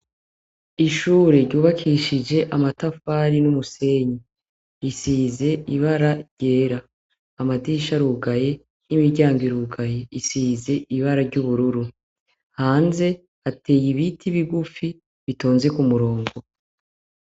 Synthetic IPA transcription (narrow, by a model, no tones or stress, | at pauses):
iʃuːɾe̞ɾɟuːβakʰiʃid͡ʒe̞ʔamatafaːɾinumuse̞ɲi | isiːze̞iβaɾaɾɟe̞ːɾaː | madiʃaɾuɡaje̞ | imiɾɟaːŋɡiɾuɡaje̞isiːze̞iβaɾaɾɟuβuɾuɾu | haːnze̞ | atʰe̞ːjiβitʰiβiɡufi | βito̞ːnze̞kumuɾo̞ːŋɡo̞